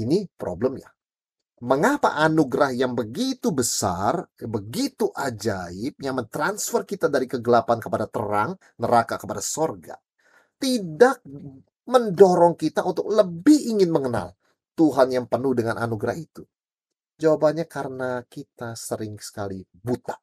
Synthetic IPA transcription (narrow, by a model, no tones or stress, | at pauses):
inipɾʔo̰bləmja̰ | məŋapa̰ʔanuɡɾahjaŋbəɡit̪ubəsa̰rbəɡit̪uʔad͡ʒaɪp̚jaŋmənt̪ɾansfərkit̪adaɾikəɡəlapankəpadat̪ə̰ɾaŋ | nəɾakakəpadasorɡa̰ | t̪idak̚ | məndoɾɔŋkit̪aʔunt̪ʊk̚ləbɪhiŋɪnməŋəna̰l | t̪uɦanjaŋpənʊhdəŋanʔanuɡɾahit̪u | d͡ʒawabaɲakaɾənakit̪asəɾɪŋsə̥kali | but̪aʔ